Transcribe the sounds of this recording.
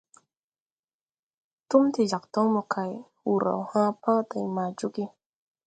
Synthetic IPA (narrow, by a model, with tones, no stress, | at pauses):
tu˦mti˨d͡ʒa˨k̚tɔ˦wmɔ˨kʰa˨j | wu˨ɾa̰˨whã˦pa˦ta˨jma˨d͡ʒu˦ɡi˦